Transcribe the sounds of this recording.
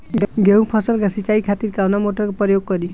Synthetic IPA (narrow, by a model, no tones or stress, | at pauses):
ɡeũpʰɔsəlɡasit͡ʃaikʰat̪iɾkawnamoʈɔɾkepɾɔjoɡ̚kɔɾi